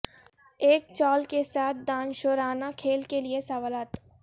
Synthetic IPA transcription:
eːk̚t͡ʃɔːlkesaːt̪̚ʰd̪aːnʃoːɾaːnakʰeːlkeliesɐʋaːlaːt̪

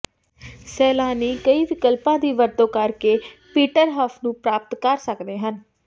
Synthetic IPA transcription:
sɛːlaːniːkəiːʋɪkəlpãːd̪iːʋəɾt̪õːkəɾkeːpiːʈəɾɦaːpʰnũːpɾaːp̚t̪kəɾsəkd̪eːɦən

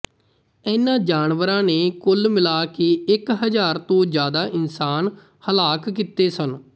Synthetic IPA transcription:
ɛːnãːd͡ʒaːnʋəɾãːneːkʊlmɪlaːkeɪkɦəd͡ʒaːɾt̪õːd͡ʒjaːd̪aːʔɪnsaːn | həlaːkkiːt̪eːsən

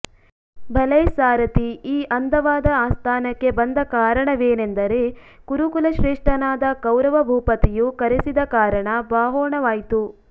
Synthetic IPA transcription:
bʱɐlɐjsaːɾɐt̪iiːʔɐnd̪ʱɐʋaːd̪ɐaːst̪ʰaːnɐkːe̞bɐnd̪ɐkaːɾɐɳɐʋeːne̞nd̪ɐɾe̞kuɾukulɐʃɾeːʂʈɐnaːd̪ɐkɐwɾɐʋɐbʱuːpɐt̪ijukɐɾesid̪ɐkaːɾɐɳɐbaːɦɔːɳɐʋaːjt̪u

